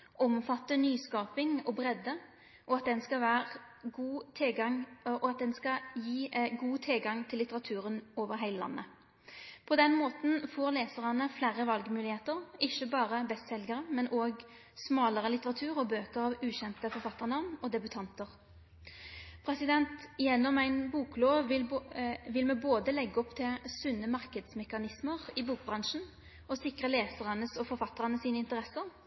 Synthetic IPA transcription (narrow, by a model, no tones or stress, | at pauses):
ʔɔmfɑt̪ːənyːskɑːpɪŋɔbʁɛd̪ə | ʔɔɑt̪̚d̪ɛnskɑʋæːʁ | uː | ʔɔɑt̪̚d̪ɛnskɑjiːɡuːt̪ʰɪlɡɑŋt̪ʰɪlːɪt̪əʁɑt̪ʰʉːʁənoːʋəʁɦæɪləlɑ̰nːʔə̰ | pʰɔd̪ɛnmoːt̪n̩foːʁleːsəʁənəflæːɾəʋɑlɡmʉːlɪheːt̪əʁɪçəbɑːʁəbɛst̪sɛlɡəʁəmɛnʔoːɡ | smɑːləʁəlɪt̪əʁɑt̪ʰʉːʁɔbøːkəʁɑʋʉːɕɛnt̪əfɔɾfɑt̪ːəʁnɑʋnɔd̪ɛbʉt̪ʰɑnt̪əʁ | pʰɾɛsɪd̪ɛnt̪jɛnːɔmæɪnbuːkloːʋɪlʋɪlmɛːboːd̪əlɛɡːəɔpt̪ʰɪlsʉnːəmɑʁkəd̪smɛkɑnɪsməʁɪbuːk̚bʁɑŋʃn̩ | ɔsɪkʁəleːsəʁɑnəsɔfɔɾfɑt̪ːəʁənəsiːnəɪnt̪əʁɛsəʁ